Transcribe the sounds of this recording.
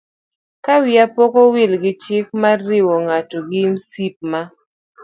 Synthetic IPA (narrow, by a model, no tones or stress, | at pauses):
kawɪapɔkowɪlɡɪt͡ʃɪk̚marːɪwoŋatoɡɪmsip̚ma